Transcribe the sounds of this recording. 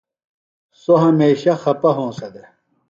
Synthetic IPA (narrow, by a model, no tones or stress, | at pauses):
soɦɐmeːɕɐxɐpɐɦõːsɐd̪e